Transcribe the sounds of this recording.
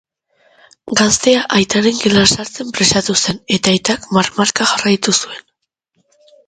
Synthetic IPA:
ɡast̪e̞aʔajt̪aɾeŋɡelasaɾt͡se̞mpɾe̞sat̪use̞ne̞t̪ajt̪akmarmaɾkaʝarajt̪usue̞n

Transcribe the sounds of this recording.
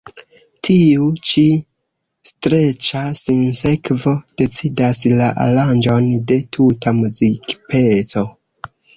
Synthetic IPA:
tʰiut͡ʃi | stɾe̞t͡ʃasinse̞kvo̞d̥e̞t͡sidaslaʔa̰land͡ʒo̞nde̞tʰutʰamuzikpʰe̞t͡so̞

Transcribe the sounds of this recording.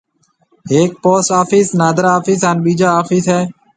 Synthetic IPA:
eːk̚poːsaːfiːsnaːd̪ɾaːaːfiːsanɓiːd͡ʒaːaːfiːsɦɛː

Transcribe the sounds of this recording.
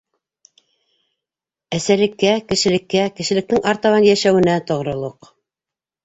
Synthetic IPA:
æsælɘ̆kːækɘ̆ʃɘ̆lɘ̆kːækɘ̆ʃɘ̆lɘ̆k̚t̪ɘŋʔɑɾt̪ɑβɑnjæʃæwɘ̆næt̪ŏʁɾŏlˠoq

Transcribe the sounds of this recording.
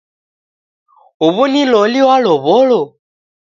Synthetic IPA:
uβunilɔliwalɔβɔɺɔ

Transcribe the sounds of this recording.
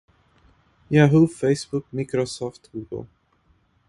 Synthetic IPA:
jaɦufeɪsbuk̚mikɾosɔftɡ̥uːɡə̰l̩ˠ

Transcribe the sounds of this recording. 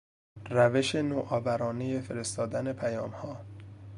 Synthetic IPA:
ræve̞ʃe̞noːʔɒːvæɾɒːnejefe̞ɾe̞st̪ɒːd̪æne̞pʰæjɒːmhɒː

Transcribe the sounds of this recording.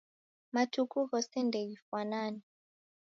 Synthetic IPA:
matʰukʰuɣɔsɛndʱɛɣifwanaːnɛ

